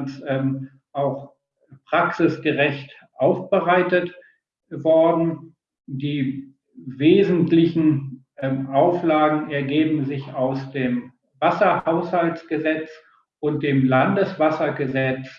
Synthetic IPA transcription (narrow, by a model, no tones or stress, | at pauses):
s | ʔaʊx | pʁ̥aksɪsɡ̥əʁɛçt | ʔaʊfb̥əʁaɪtət | vɔɐdn̩ | diː | veːzn̩tlɪçn̩ | ʔaʊflaːɡŋ̩ɛɐɡeːbm̩zɪçaʊsd̥eːm | vasɐhaʊshaltt͡sɡ̥əzɛt͡s | ʔʊnt̚d̥eːmlandəsv̥asɐɡəzɛt͡s